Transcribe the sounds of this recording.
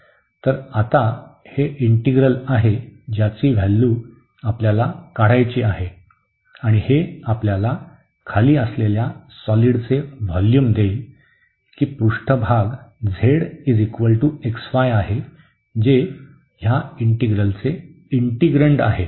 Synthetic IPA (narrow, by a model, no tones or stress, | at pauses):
t̪əɾat̪a | heʔiɳʈiɡɾəlaɦed͡ʑjat͡siːʋʱɛlːuː | apljalakaɽ̤ajt͡ɕiːaɦe | aɽ̃iheapljala | kʰaliːəsleljasɔliɽt͡seʋɔljumd̪eil | kiːpɾuʂʈʰəbʱaɡd͡zʱeɽid͡zikʋəlʈueksfajaɦe | d͡ʑe | jaiɳʈiɡɾəlt͡se | iɳʈiɡɾəɳʈa̰ɦe